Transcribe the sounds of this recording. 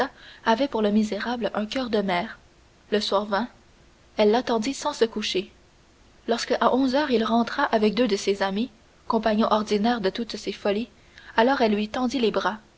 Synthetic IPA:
aavɛpuʁləmizeʁablœ̃kʲœːʁd̪əmɛːʁ | ləswaːʁvɛ̃ | ɛlːat̪ɑ̃d̪isɑ̃səkuʃe | lɔʁskəʔaʔɔ̃zœːʁilʁɑ̃t̪χaʔavɛk̚d̪ød̪əsezami | kɔ̃paɲɔ̃ʔɔʁd̪inɛːʁd̪ət̪ut̪sefɔli | alɔːʁɛlːɥit̪ɑ̃d̪ilebʁa

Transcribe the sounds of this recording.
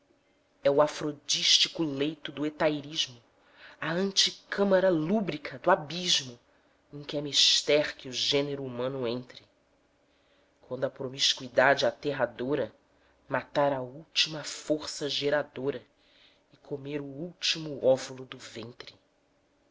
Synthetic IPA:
ɛʊafɾod͡ʒiʃt͡ʃikʊlejt̪ʊd̪ʊet̪ajɾiʒmʊ | ɐɐ̃nt͡ʃikɐ̃mɐɾɐlubɾikʰɐd̪ʊabiʒmʊ | ẽŋkɪɛmiʃt̪ɛɾkɪʊʒẽneɾʊumɐ̃nʊẽnt̪ɾɪ | kwɐ̃nd̪ʊɐpɾomiʃkuid̪ad͡ʒɪat̪eɦad̪oɾɐ | mat̪aɾɐuwt͡ʃimɐfoɾsɐʒeɾad̪oɾɐ | ɪkʰomeɾʊuwt͡ʃimʊɔvulʊd̪ʊvẽnt̪ɾɪ

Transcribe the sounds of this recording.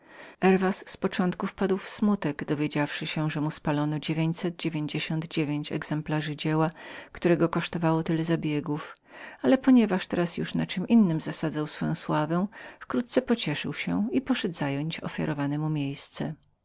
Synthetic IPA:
ɛɾvasːpɔt͡ʂɔnt̪kufpad̪wfsmut̪ɛɡd̪ɔvʲjed͡ʑafʂɘɕɛʐɛmuspalɔnɔd͡ʑevʲeɲt͡ɕsɛd̪̚d͡ʑevʲjeɲd͡ʑeɕɔnd̪d͡ʑevʲjeɲt͡ɕɛ̰ɡz̥ɛmplaʐɘd͡ʑɛwakt̪uɾɛɡɔkɔʂt̪ɔvawɔt̪ɘlɛzabʲjɛɡuf | alɛpɔɲɛvaʂt̪ɛɾasjṵʂnat͡ʂɘmʔinːɘmzasad̪zawsfɔjɔ̃w̃swavɛ̃fkɾut̪̚t̪sɛpɔt͡ɕɛʂɘ̰wɕɛ̰ipɔʂɛd̪zajɔɲt͡ɕɔ̰fʲja̰ɾɔvanɛmumʲjejst̪sɛ

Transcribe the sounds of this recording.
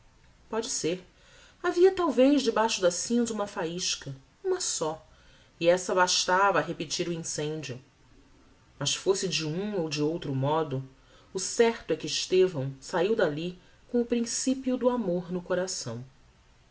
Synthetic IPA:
pɔd͡ʒɪseɾ | aviɐt̪awvejʒd͡ʒɪbajʃʊd̪ɐsĩnzũmɐfaiʃkɐ | ũmɐsɔ | iɛsɐbaʃt̪avɐːɦepɪt͡ʃiɾʊĩsẽɲd͡ʒiʊ | mɐʃfosɪd͡ʒɪũowd͡ʒɪowt̪ɾʊmɔd̪ʊ | ʊsɛɾt̪ʊɛkɪːʃt̪evɐ̃w̃saiwd̪ali | kõʊpɾĩsipiʊd̪ʊamoɾnʊkoɾasɐ̰̃w̃

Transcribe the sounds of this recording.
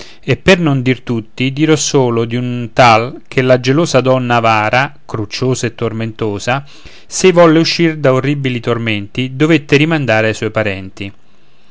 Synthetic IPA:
epːernond̪irt̪ut̪ːid̪iɾɔsoːlod̪iunt̪alkʰelːad͡ʒeloːsad̪ɔnːavaːɾʔakɾut͡ʃːoːzaet̪ːorment̪oːza | sevɔlːeuʃːird̪aorːibilit̪orment̪id̪ovet̪ːeɾimand̪aːɾeajsɔjpaɾɛnt̪i

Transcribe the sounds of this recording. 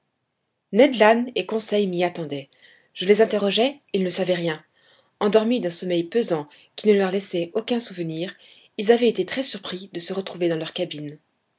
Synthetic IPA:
nɛd̪lanekɔ̃sɛjmiat̪ɑ̃d̪ɛ | ʒ̥əlezɛ̃t̪eʁɔʒɛilnəsavɛʁjɛ̃ | ɑ̃d̪ɔʁmid̪ɛ̃sɔmɛjpøzɑ̃ | kʲinəlœʁlɛsɛokʲɛ̃suvəniːʁ | ilzavɛet̪et̪χɛsyʁpχid̪əsəʁət̪χuved̪ɑ̃lœʁkabin

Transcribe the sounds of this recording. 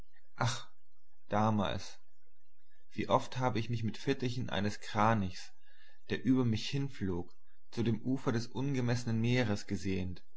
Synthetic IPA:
ʔaχ | d̥aːma̰ːls | v̥ḭːʔɔfthaːbəɪçmɪçmɪtfɪtəçənʔa̰ɪnəskʁ̥aːnɪçs | d̥eːɐʔyːbɐmɪçhɪnfloːk | t͡sudeːmʔuːfɐɾɛsʔʊnɡəmɛsənənmeːʁəsɡ̥əzeːənt

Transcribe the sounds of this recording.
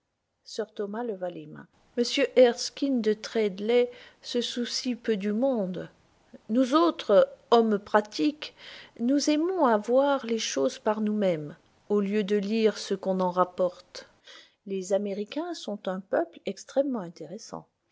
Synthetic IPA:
sœʁt̪ɔmaləvalemɛ̰̃ | məsjøʔɛʁskʲind̪ət̪χɛd̪lɛsəsusipød̪ymɔ̃d̪ | nuzot̪χɔmpχat̪iknuzɛmɔ̃avwaʁleʃozpaʁnumɛm | oljød̪əliʁsəkɔ̃nɑ̃ʁapɔʁt̪ | lezameʁikʲɛ̃sɔ̃t̪ɛ̃pœplɛkst̪χɛmːɑ̃ɛ̃t̪eʁesɑ̰̃

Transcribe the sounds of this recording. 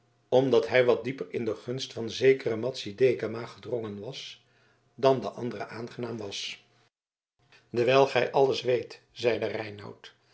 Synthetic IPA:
ɔmdɑtɦɛjʋɑt̚dipərɪndəχɵnstfɑnzejkərəmɑtsidejkamaːχədrɔŋənʋɑs | dɑndə̰ʔɑ̰ndərə̰ʔaːnχənaːmʋɑs | dəʋɛːlˠχɛjʔɑləsʋejt | zɛjdərɛjnɑ̰wt

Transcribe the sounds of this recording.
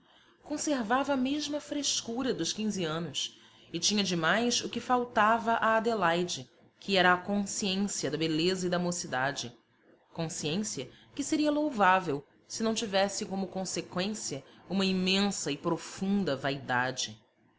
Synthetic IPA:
kõseɾvavɐːmeʒmɐfɾeʃkuɾɐd̪ʊʃkĩziɐ̃nʊs | ɪt͡ʃĩɲɐd͡ʒɪmajsʊkɪfawt̪avɐʔaːd̪elajd͡ʒɪ | kʰɪɛɾɐːkõsiẽsiɐd̪ɐbelezɐid̪ɐmosid̪ad͡ʒɪ | kõsiẽsiɐkɪseɾiɐlowvavew | sɪnɐ̃w̃t͡ʃivɛsɪkõmʊkõsekwẽsiɐũmɐimẽsɐɪpɾofũnd̪ɐvajd̪a̰d͡ʒɪ

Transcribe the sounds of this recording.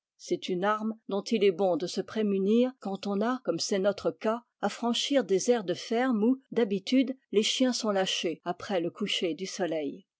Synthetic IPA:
sɛt̪ynaʁmd̪ɔ̃t̪ilɛbɔ̃d̪əsəpχemyniːʁkɑ̃t̪ɔ̃nakɔmsɛnɔt̪χəka | afχɑ̃ʃiʁd̪ezɛʁd̪əfɛʁmud̪abit̪yd̪leʃjɛ̃sɔ̃laʃeapχɛləkuʃed̪ysɔlɛj

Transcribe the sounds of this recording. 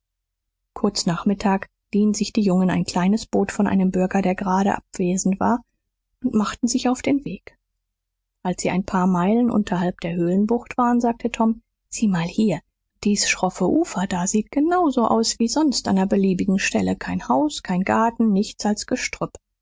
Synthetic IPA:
kʰʊɐt͡snaːχmɪtʰaːk | d̥iːənzɪçd̥iːjʊŋəna̰ɪnkʰl̥aɪnəsb̥oːtfɔnʔa̰ɪnəmbʏɐɡɐɾeːɐɡəʁaːɾə̰ʔa̰pv̥eːzn̩tv̥a̰ːɐ | ʔʊntmaχtn̩zɪçaʊfd̥eːnveːk | ʔalsz̥iːa̰ɪnpʰaːɐmaɪlənʔʊ̰ntʰɐhalp̚d̥eːɐɦøːlənbʊχtv̥aːʁənzaːk̚tʰətʰɔm | z̥iːmaːlhiːɐ | d̥iːsʃʁ̥ɔfəʔuːfɐd̥aːziːt̚ɡ̥ənaʊzoʔa̰ʊsv̥iːzɔnstʔa̰ndɐbəliːbɪɡŋ̩ʃtɛləkʰaɪnhaʊskʰaɪnɡaɐtn̩nɪçt͡salsɡ̥əʃtʁ̥ʏp

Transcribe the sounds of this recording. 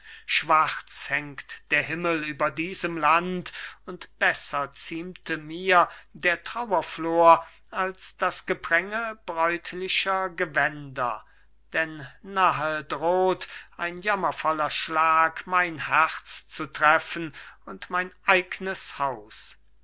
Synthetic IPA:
ʃv̥aʁt͡shɛŋktd̥eːɐɦɪməlyːbɐdiːzəmlantʊntb̥ɛsɐt͡siːmtʰəmiːɐdeːɐtʁ̥awɐfloːɐ | alsd̥asɡ̥əbʁɛŋəbʁɔʏtʰlɪʃɐɡəvɛndɐ | d̥ɛnːaɦədʁoːtʔaɪnjamɐfɔlɐʃlaːkmaɪnhɛʁt͡st͡sutʁ̥ɛfənʊntmaɪnʔaɪɡnəshaʊs

